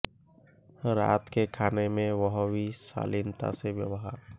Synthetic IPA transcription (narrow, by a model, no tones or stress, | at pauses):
ɾa̰ːt̪kekʰaːnemẽʋəɦʋisa̰ːlɪnt̪a̰seʋjəwəɦaɾ